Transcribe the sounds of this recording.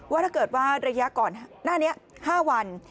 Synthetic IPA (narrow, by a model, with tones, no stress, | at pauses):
waː˦˥˩t̪ʰaː˥˩kɤː˨˩t̪̚waː˥˩ɾa˧ja˦˥ʔkɔː˨˩nnaː˥˩ni˦˥ɐhaː˥˩wa˧n